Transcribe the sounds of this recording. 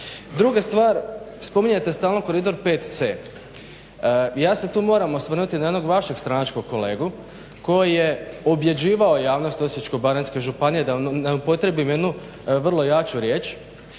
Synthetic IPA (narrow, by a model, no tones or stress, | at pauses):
d̪ɾuɡast̪ʋaːɾ | spo̞miɲet̪e̞st̪aːlˠno̞ko̞ɾid̪o̞ɾpe̞ːt̪t̪seː | jaːse̞t̪uːmo̞ɾamo̞sʋr̩nut̪inajed̪no̞ɡʋaʃe̞ɡst̪ɾanat͡ʃko̞ɡ̚ko̞le̞ːɡu | ko̞jijeobje̞d͡ʑiːʋao̞jaːʋno̞st̪o̞sjet͡ʃkobaɾenske̞ʒupanijed̪anaupo̞t̪ɾe̞bimje̞d̪nu | ʋr̩lˠo̞jat͡ʃuɾje̞ːt͡ʃ